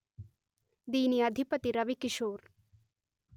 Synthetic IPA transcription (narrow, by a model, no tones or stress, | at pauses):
d̪iːniɐd̪ʱipɐt̪iɾɐʋikiʃoːɾ